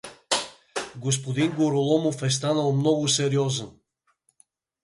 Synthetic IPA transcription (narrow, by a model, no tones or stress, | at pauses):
ɡos̬pod̪inɡoɾolˠɔmofɛs̬t̪anəlˠmnɔɡʊsɛɾiɔzən